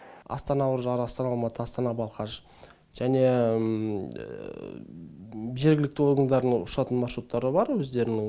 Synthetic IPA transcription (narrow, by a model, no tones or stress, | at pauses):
ɑ̰st̪ɑnɑwʊɾəʒɑɾɑst̪ɑnɑlˠmɑt̪ʰəɑst̪ɑnɑbɑlˠqɑʃ | ʒ̥æne̞ | ʒe̞ɾɡʲɪlɪkt̪ɪo̞ɾɡənd̪ɑɾəʊʃɑt̪ənmɑɾʃɾut̪ːɑɾəbɑɾwɵzd̪e̞ɾɪnɪ